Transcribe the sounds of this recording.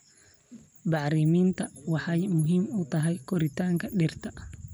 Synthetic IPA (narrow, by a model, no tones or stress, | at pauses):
baɾimint̪awahajmuɦimut̪aɦajkoɾit̪aŋkaɗeɾt̪a